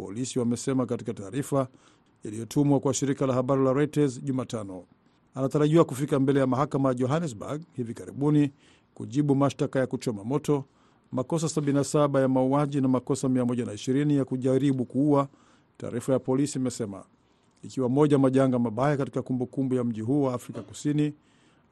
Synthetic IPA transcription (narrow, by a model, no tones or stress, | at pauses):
pɔ̰lisiwamɛsɛmakatikataːɾifa | ilijɔtʰumwakwaʃiɾikalahaɓaɾilaɾaitazʄumaːtanɔ | anataɾaʄiwakufikambɛlɛjamaɦakamajaʄɔɦanɛsba̰ɡhivikaɾḭɓuni | kṵʄiɓumaʃtakajakut͡ʃɔmamɔtɔ | makɔs̬asaɓininasaɓajamauaʄinamakɔsamiamɔʄanaiʃiɾinijakuʄaɾiɓukuua | ta̰ːɾifajapɔlisiimɛsɛma̰ | ikiwamɔʄamaʄaŋɡamaɓajakati̥kakumbukumbujam̩ʄiɦuːwaːfɾikaku̥sini